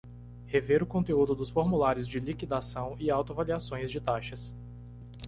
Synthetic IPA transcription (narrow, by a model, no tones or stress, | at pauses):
heveɾʊkõt̪eud̪ʊd̪ʊsfoɾmulaɾjʊzd͡ʒɪlikid̪asɐ̃w̃ɪawt̪ʊvaliasõj̃zd͡ʒɪt̪aʃɐs